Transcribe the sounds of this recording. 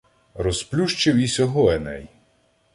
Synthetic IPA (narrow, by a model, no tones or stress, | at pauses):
rɔsplʲuʃt͡ʃɪwisʲɔɦɔɛnɛj